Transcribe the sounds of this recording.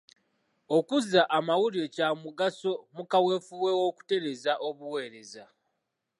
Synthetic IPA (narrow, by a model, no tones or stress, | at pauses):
o̞kuzaʔamawulio̞camuɡaso̞mukawe̞ːfuwewo̞ku̥te̞ɾe̞zaʔo̞βuwe̞ːɾe̞za